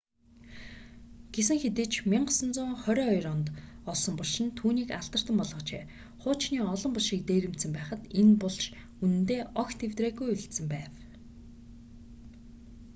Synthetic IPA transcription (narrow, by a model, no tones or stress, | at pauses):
ɡ̥es̬ɘ̆ŋxet̪ĕːt͡ɕʰmʲiɴɢsə̆nt͡sʊːŋχœɾʲœːɔjrɔnt̪ɔɮsɞ̆mpɔɮʃɪ̆nt̪ʰuːniːkaɮt̪ə̆r̥t̪ə̆mpɔɮʁɞ̆t͡ɕḛː | χʊːt͡ɕniːɔɮɞ̆mpʊɮʃiːk̚t̪eːɾɘ̆m̥t̪sɘ̆mpæːχə̆t̪enpʊɮʃ | unɘ̆nt̪eːʔɔxt̪ʰewt̪reːɣujɵɮt̪sɘ̆mpæːw